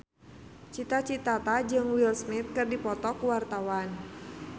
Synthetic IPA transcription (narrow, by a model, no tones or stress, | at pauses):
t͡ʃit̪at͡ʃit̪at̪ad͡ʒɨŋwilsmɪt̪̚kɨrdipɔt̪ɔkuwart̪awan